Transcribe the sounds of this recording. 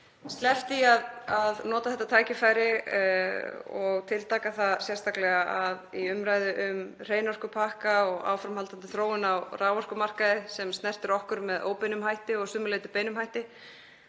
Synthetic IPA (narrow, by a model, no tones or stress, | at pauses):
st̪lɛft̪iaðaðnɔːt̪aθɛht̪ːat̪ʰaːjcɪfaːjɾɪ | ɔɣt̪ʰɪlt̪ʰaːkaθasjɛr̥st̪aklɛɣaʔaðiʏmɾaːjðʏʔʏmr̥eːjnɔr̥kʏpʰahkaɔɣa̰ːwfɾamhalt̪ant̪ɪ̥θɾoːwɪnawraːwvar̥kʏmar̥kaðɪsɛmst̪nɛr̥t̪ɪɾɔhkʏɾmɛðo̰ːwpejnʏmhajht̪ɪɔɣsʏːmʏlejt̪ʏpeːjnʏmhajht̪ɪ